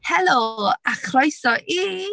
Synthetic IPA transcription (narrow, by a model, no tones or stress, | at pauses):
hɛloaχʰlojsɔʔi